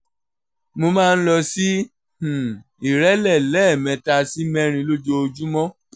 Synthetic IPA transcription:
mo˧mãː˦˧n̩˦lɔ˧si˦ | h̩˨ | i˨ɾɛ˦lɛ˦˨lɛ˦˨mɛ̃˨˧˨ta˧si˦mɛ̃˦ɾ̃ĩ˧lo˦d͡ʒo˧o˧d͡ʒu˦mɔ̃˦

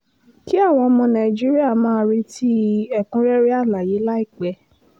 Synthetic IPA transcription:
ki˦a˦˨w̃ɔ̃˧ɔ˧mɔ̃˧nã˨i˨d͡ʒi˦ɾi˦a˦˨mãː˦˧˦ɾi˧tʰi˦ɛ˦˨kũ˦ɾɛ˦ɾe˦a˦˨la˨ji˨˦la˦i˦˨k͡pɛ˨˦

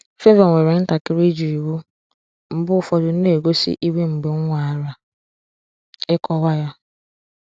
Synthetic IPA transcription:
fe˦ve˨ŋʷe˨ɾe˨n̩˦ta˨kɪ˦ɾi˦d͡ʒi˨i˨wu˦ | m̩˨bʊ˦˨fɔ˨dʊ˨n̩˦ne˨ɡo˦sḭ˦ʔi˦we˦ŋ͡m̩˨ɡ͡be˨ŋ̩ʷ˦a˨a˨ɾa˦ | ɪ˦kɔ˦wa˦ja˦

